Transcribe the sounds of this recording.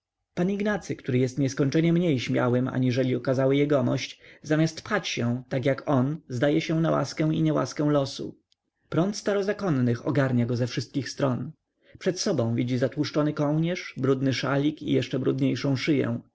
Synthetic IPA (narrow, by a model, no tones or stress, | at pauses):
paɲiɡnat̪sɘkt̪uɾɘjɛst̪ɲɛskɔɲt͡ʂɛɲɛmɲejɕmʲja̰wɘma̰ɲiʐɛlʲiɔkazawɘjɛɡɔmɔ̰ɕt͡ɕzamʲast̪pxat͡ɕɕɛ̃t̪akjakʰɔnzd̪ajɛɕɛ̃nawa̰skɛw̃iɲɛwa̰skɛ̃w̃lɔsṵ | pɾɔnt̪st̪aɾɔzakɔnːɘxɔ̰ɡaɾɲaɡɔzɛfʂɘst̪̚kʲixst̪ɾɔn | pʂɛt̪sɔbɔ̃w̃vʲid͡ʑizat̪wuʂt͡ʂɔnɘkɔwɲɛʂbɾud̪nɘʂalʲikḭjɛʂt͡ʂɛbɾud̪ɲejʂɔ̃w̃ʂɘjɛ̰̃w̃